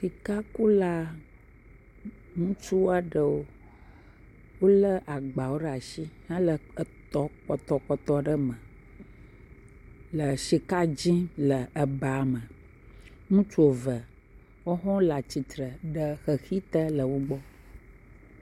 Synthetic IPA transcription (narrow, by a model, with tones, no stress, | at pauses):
fi˨ka˦ku˦la˦ | ŋũ˦t͡ʃu˦wo˦a˦ɖə˨wo˦ | wo˦lə˦ʔa˨ɡ͡ba˨wo˦ɖa˨ʃi˦hã˦lə˨˦t̪ɔ˦k͡pɔ˨t̪ɔ˦k͡pɔ˨t̪ɔ˦ɖə˦mə˨ | lə˨ʃi˨ka˦d͡ʑĩ˦lə˨ə˨ba˨mə˨ | ŋũ˦t͡ʃu˦o˨və˨ | wo˦ɦɔ̃˦la˨t͡ɕi˨t̪ɾə˨ɖə˨xə˨xi˦t̪ə˦lə˨wo˦ɡ͡bɔ˦